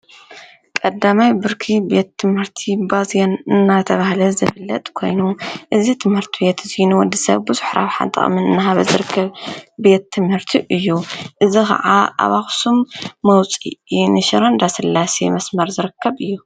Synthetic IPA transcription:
kʼɐd̪ːamajbɨɾkʰibe̞t̪ʰːɨmhɨɾt̪ʰibazjonɨnːat̪ʰɐβahlɐzɨfɨlːɐt̪ʼkʰo̞̰jnuʔɨzit̪ʰɨmhɨɾt̪ʰibe̞t̪ʰzinuwɔd̪isɐ̰βbɨzɨħɾa̰βħa̰nt̪ʼɐ̰χʼmɨnɨnːaɦaβɐzɨɾɨkʰːɐβbe̞t̪ʰːɨmhɨɾt̪ʰiʔɨjːuʔɨzikʰɐ̰ʕaʔa̰βaxsumːɐwt͡sʼḭinɨʃiɾond̪asɨlːasḛmɐsmɐɾzɨɾɨkʰːɐβɨjːu

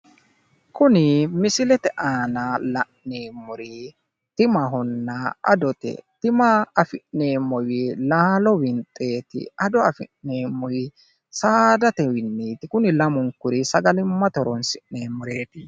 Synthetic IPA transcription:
kʊnɪmɪsɪlɛt̪ɛʔaːnɐlɐʔneːmːʊɾɪ | t̪ɪmɐɦɔnːɐʔɐ̰d̪ɔt̪ɛ̰t̪ɪmɐɐfɪʔne̞ːmːɔwɪlaːlɔwɪnt̪ʼːe̞ːt̪ɪ̰ɐd̪ɔɐfɪʔneːmːɔjɪ | saːd̪ɐt̪ɛwɪnːiːt̪ɪkʊnɪlɐmʊŋkʊɾɪsɐɡɐlɪmːɐt̪ɔɾɔnsɪʔne̞ːmːʊɾe̞ːt̪ɪ

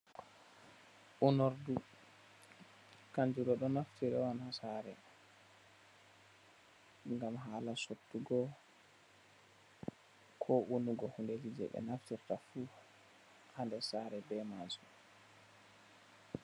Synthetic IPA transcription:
ʔunoɾdu | kaɲd͡ʒuɾɔɗɔnaftiɾɛwanhasaɾɛ̰ | ŋɡamɦaːlasotːuɡɔ | kʰɔʔunuɡɔhunded͡ʒid͡ʒɛ̰ɓɛ̰naftiɾtafu | handɛsaɾɛbɛmasu

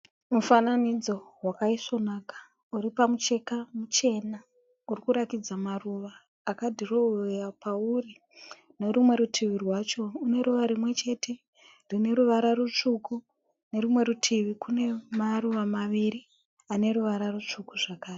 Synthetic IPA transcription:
mufananid͡zo̞wakaiso̞naːkḁ | uɾipamut͡ʃe̞kamut͡ʃe̞na | urikuɾakid͡zamaruʋaː | kadʱirojapʰauri | ne̞ɾumwe̞ɾutʰiʋirwaːt͡ʃo̞une̞ɾuʋaɾimwe̞t͡ʃe̞tʰe̞ | rine̞ɾuʋaɾaɾut͡ʂuku | ne̞ɾumwe̞ɾutʰiʋikune̞maruʋamaʋiɾi | ane̞ɾuʋaɾarut͡ʂukuʐakaːre

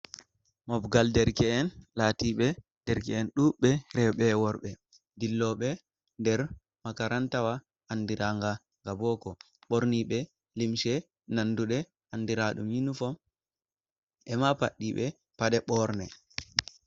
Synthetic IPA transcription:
mɔbɡaldɛɾkɛːnlatiɓɛ | d̥ɛɾkɛːnɗuɓɛɾɛɓɛwɔɾɓɛ | dilːɔɓɛ | ndɛɾ | makaɾantawaː | ndiɾaŋɡa | ŋɡabɔkɔ | ɓoɾniɓɛ | limʃɛ | nanduɗɛ | andiɾaɗuminufɔ | ɛmapaɗːiɓɛ | paɗɛɓɔɾnɛ

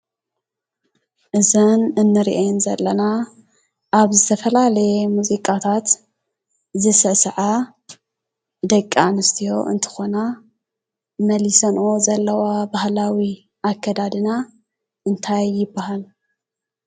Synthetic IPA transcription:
ʔɨzɐnɨnːɨɾiʔejnzɐlːɐna | ʔaβzɨt̪ʰɐfɐlalɐjemuzikʼat̪ʰat̪ | zɨsɐsʕa | d̪ɐkʼːanɨst̪ʰijo̞̰ɨ̰nt̪ʰɨ̥xo̞na | mɐlisɐnʔo̞zɐlːɐwabahlawi | akʰːɐd̪ad̪ɨna | ʔɨnt̪ʰajːɪbːahal

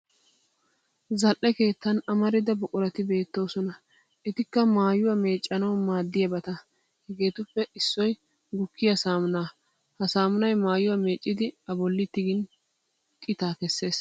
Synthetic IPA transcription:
zɐlʔɛke̞ːt̪ːɐnɐmɐɾɪd̪ɐbʊkʼʊɾɐt̪ɪbe̞ːt̪ːo̞ːsɔnɐ | ɛt̪ɪkːɐmaːjʊwɐme̞ːt͡ʃʼːɐnɐwmaːd̪ːɪjɐbɐt̪ɐ | hɛɡe̞ːt̪ʊpːɛɪsːɔj | ɡʊkːɪjɐsaːmʊnaː | hɐsaːmʊnɐjmaːjʊwɐme̞ːt͡ʃʼːɪd̪ɪɐbɔlːɪt̪ːɪɡɪn | kʼːɪt̪aːkɛsːe̞ːs

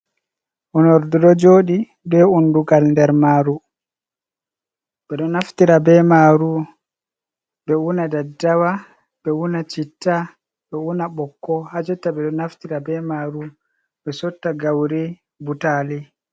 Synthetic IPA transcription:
ʔunɔɾdɔdɔd͡ʒoːɗi | bɛunduɡalndɛɾmaːɾu | ɓɛɗɔnaftiɾabɛmaːɾu | ɓɛunadadːawa | bɛwunat͡ʃitːa | ɓɛwunaɓɔkːɔhad͡ʒutːaɓɛɗɔnaftiɾabɛmaːɾu | ɓɛsɔtːaɡawɾi | butaːli

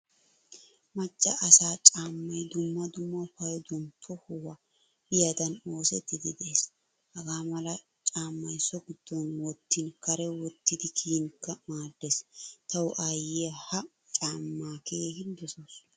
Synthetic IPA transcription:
mɐt͡ʃʼːɐʔɐsaːt͡ʃʼaːmːɐjd̪ʊmːɐd̪ʊmːɐʊpɐjɔd̪ɔntʰɔhʊwɐ | bɪjɐd̪ɐno̞ːsɛt̪ːɪd̪ɪd̪ɛʔeːs | hɐɡaːmɐlɐ | t͡ʃʼaːmːɐjsɔɡɪd̪̥ːɔnwɔt̪ːɪnkɐɾɛwɔt̪ːɪd̪ɪkʰiːŋkːɐmaːd̪ːɛst̪ɐwʊʔajehɐ | t͡ʃʼaːmːaːkʰeːhɪnd̪ɔsɔs

